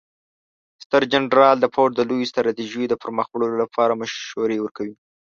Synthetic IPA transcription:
st̪əɾd͡ʒanɾɑld̪əpʰoʈ̚d̪əlojost̪ɾɑt̪iʒejd̪əpəɾməxɽəlolapʰɑɾamʊʃwaɾewəɾkawi

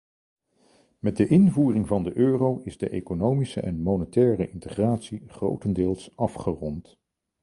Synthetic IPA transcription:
mɛd̚dəʔɪnvuːrɪŋvɑndəʔøːrowɪzdə̰ʔejkonowmisə̰ʔɛnmoːnətɛːrəʔɪntəχraːtsiχro̰wtəndɪːlˠsɑfχərɔnt

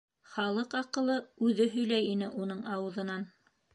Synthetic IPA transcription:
χɑlˠɤqɑqɤ̆lˠɤʉðɘɦɵ̆jlæjinɘʔunɤɴɑwɤ̆ðɤ̆nɑn

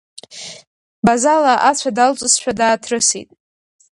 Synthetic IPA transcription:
bazalaʔat͡ɕʷʰadalt͡sʷʼʊsʃᶣadaːtʰrɨsḭtʼ

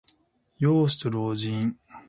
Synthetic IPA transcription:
joːsɨ̥t̪oɾoːd͡ʑĩɴ

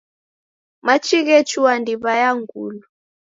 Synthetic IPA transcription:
mat͡ʃiɣɛt͡ʃuwandiβajaŋɡulu

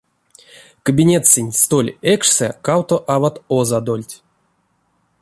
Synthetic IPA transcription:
kəbʲinʲet̪sʲɨnʲst̪olʲekʂsɛ̰kawt̪oʔavat̪ozad̪olʲtʲ

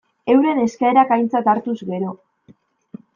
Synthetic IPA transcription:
e̞wɾe̞ne̞skaeɾakajnt͡sat̪aɾt̪uzɡe̞ɾo̞

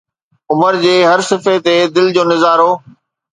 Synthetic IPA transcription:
ʊməɾd͡ʑeːɦɐɾsɪfet̪ed̪ɪld͡ʑoːnɪzaːɾoː

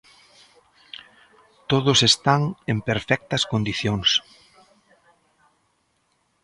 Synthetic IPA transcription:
t̪oðʊsest̪aŋempeɾfɛk̚t̪ɐskond̪iθjoŋs

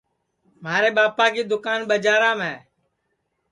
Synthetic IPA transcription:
maːɾeːɓaːpãːkiːd̪ʊkaːnɓəd͡ʒaːɾãːmẽː

